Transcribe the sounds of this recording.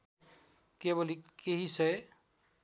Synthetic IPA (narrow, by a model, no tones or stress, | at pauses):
kebolikeɦisʌj